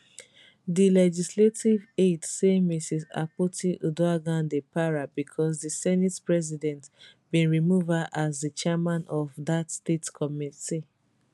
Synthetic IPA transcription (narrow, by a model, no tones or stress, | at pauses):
dilɛd͡ʒisletivedsemisisa̰potiʔuduaɡãndepaɹabikʰɔs̬disɛnitpɹɛzidɛ̃ntb̥ĩnɹimuvaʔazdit͡ʃɛmãnɔvðatstetkʰɔmiti